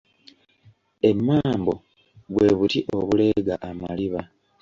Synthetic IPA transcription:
e̞mːaːmbo̞ | βwe̞ːβutiʔoβule̞ɡaʔama̰liβa

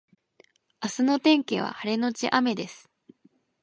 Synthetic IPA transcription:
asɨno̞t̪ẽ̞ŋke̞β̞a̰haɾe̞no̞t͡ɕiʔame̞d̪e̞sɨ̥

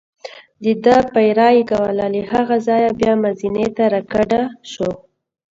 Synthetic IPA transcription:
d̪əd̪əpajɾɑjɡawalalihaɣazɑjabjɑmazinet̪aɾakaɖaʃo

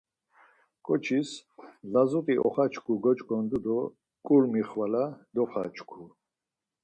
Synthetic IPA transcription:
kʼɔt͡ʃʰislazut̪ʼiʔɔ̰χat͡ʃʰkʰuɡɔt͡ʃʼkʼɔnd̪ud̪ɔ | kʼulmiχwalad̪ɔχat͡ʃʰkʰu

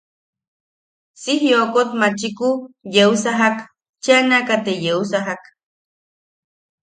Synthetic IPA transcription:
sihjokot̪mat͡ʃikujeusaɦak | t͡ʃanakat̪ejeusaɦak

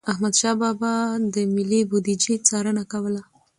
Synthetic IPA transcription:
ahmad̪ʃɑbɑbɑd̪əmɪlːibud̪id͡ʒit͡sɑɾənakawəla

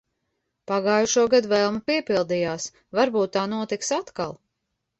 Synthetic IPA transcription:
paɡaːjuʃuɔɡad̪vɛlˠmupiɛpilˠd̪ijaːs | vaɾbuːt̪ːaːnuɔt̪iksat̪ka̰lˠ

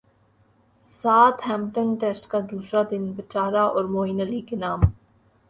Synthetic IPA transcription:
saːt̪ʰɦɛ̃ːmʈənʈɛːsʈkad̪uːsɾad̪ɪnbɪt͡ʃaːɾaʔɔːɾmoːɦiːnəlikenaːm

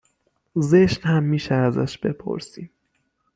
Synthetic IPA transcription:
zeʃnhæmːiːʃɛæzæ̰ʃb̥e̞pʰo̰ɾsiːm

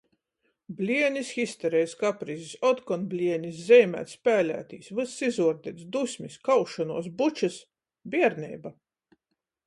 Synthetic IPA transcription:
blʲiɛnʲisxist̪ɛɾɛjskapɾizisɔt̪kɔnblʲiɛnʲis̬zʲɛjmʲæ̰ːt̪spʲæːlʲæ̰ːt̪ḭːsvɨsːizuɔɾd̪ʲɛt̪sd̪usʲmʲiskawʃanuɔs̬but͡ʃas | bʲiɛɾnɛ̰jba

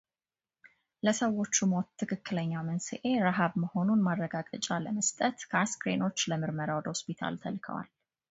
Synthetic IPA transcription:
ləsəwːo̞t͡ʃːumot̪ʰːɨkʰɨkʰːɨləɲːamənsɨ̰ʔe̞ɾaɦaβməho̞nunmaɾːəɡaɡʼət͡ʃʼaləməst̪ʼət̪kʰaskɾeno̞t͡ʃːləmɨɾməɾawɔd̪əhospit̪ʰa̰lt̪ʰəlkʰə̰wa̰l

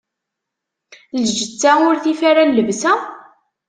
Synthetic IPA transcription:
lʒət͡sːæʊɾθifaɾalːəvsæ

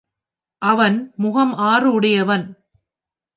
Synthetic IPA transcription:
ʔɐʋɐnmʊɣɐmaːrɯʊɽɐjɐʋɐn

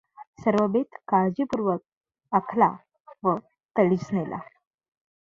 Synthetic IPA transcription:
səɾʋəbet̪kaɭd͡ʑipuɾʋək̚ | akʰla̰ | ʋə | t̪əɭit͡snelʔa̰

